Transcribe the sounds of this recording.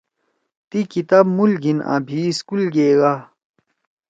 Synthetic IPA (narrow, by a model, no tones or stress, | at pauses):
t̪ikit̪abmulɡina̰ːbʱiskulɡeːɡa